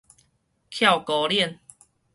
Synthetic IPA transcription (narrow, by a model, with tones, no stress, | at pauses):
kʰja˥˨wkɔ˧˦ljɛ˥˨n